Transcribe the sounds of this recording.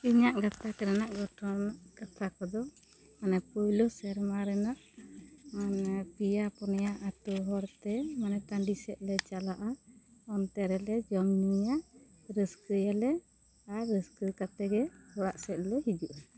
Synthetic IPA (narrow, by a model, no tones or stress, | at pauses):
iɲaʔɡat̪ʰakɛɾanaʔɡɔʈʰɔnɡat̪ʰakɔd̪ɔ | manɛpujlɔsɛɾmaɾɛnaʔ | anpijapɔnɛjaʔat̪uɦɔɾt̪ɛmanɛt̪aɳɖisɛʔ̪̚lɛt͡ʃalaʔaɔnt̪ɛɾɛlɛd͡ʒɔmnijaʔ | ɾəskəjalɛ | aɾɾəskəkat̪ɛɡɛhɔɽaʔsɛt̪̚lɔɦid͡ʒuʔa